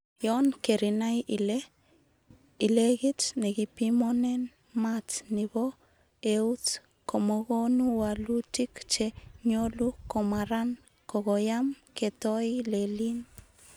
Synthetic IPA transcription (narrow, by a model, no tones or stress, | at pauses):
jonkeɾinajile | ileɡit͡ʃneɡipimonen | mat͡snibo | eut͡s | komoɣonuwalutikt͡ʃeɲolukomaɾan | koɣojamket̪ojlelin